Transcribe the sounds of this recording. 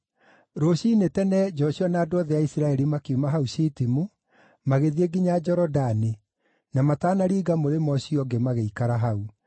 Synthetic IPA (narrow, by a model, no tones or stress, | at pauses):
ɾoɕiːnetɛnɛd͡ʒɔɕiɔnaːdoɔðɛaisɾaɛɾimakiumaɦauʃitimu | maɣeðieɡiɲad͡ʒɔɾɔdani | namataːnaɾiːɡamoɾemɔɕiɔɡemaɣeikaɾaɦau